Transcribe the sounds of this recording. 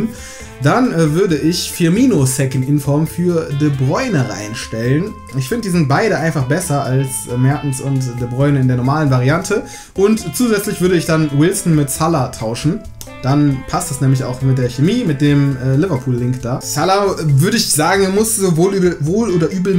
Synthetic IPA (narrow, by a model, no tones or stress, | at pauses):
n | d̥anɛːvʏɐdəʔɪçfiɐmiːnosɛkən̩ɪnfɔɐmfyːɐdəbʁɔʏnəʁa̰ɪnʃtɛlən | ʔɪçfɪndədizɪnt̚b̥aɪɾəʔaɪnfaχb̥ɛsɐalsmɛɐtn̩sʊntd̥əbʁɔʏnəɪndeːɐnɔɐmaːlənvaʁiantʰə | ʔʊntt͡suːzɛt͡slɪçv̥ʏɐɾəɪçd̥anwɪlsn̩mɪtsalatʰaʊʃn̩ | d̥anpʰastd̥asnɛːmlɪça̰ʊxmɪt̚d̥eːɐçemiːmɪt̚d̥eːmɛːlɪvɐpʰuːlːɪŋkd̥aːsalavʏɐɾəɪçz̥aːɡŋ̩manmʊszoːvoːlːvoːloːdɐʔyːbl̩